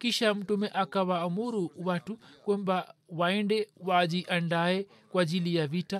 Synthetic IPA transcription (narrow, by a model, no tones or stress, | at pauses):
kiʃam̩tumɛʔakawaːmuɾuwatukwɛmbawaɛndɛwad͡ʒiʔandaɛ | kwad͡ʒilijavita